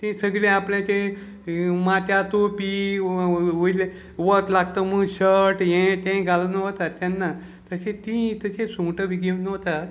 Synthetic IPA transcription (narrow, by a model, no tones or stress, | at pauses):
t̪ĩsəɡɭẽapljãt͡ɕe | mat̪jat̪opi | ujle | ʋət̪laɡt̪əməɡɕəɾʈjẽt̪ẽɡʱalənəɦt̪at̪ːjanːa | t̪əɕẽt̪ĩt̪əɕẽsũʈəʋiɡeʋnəɦt̪at̪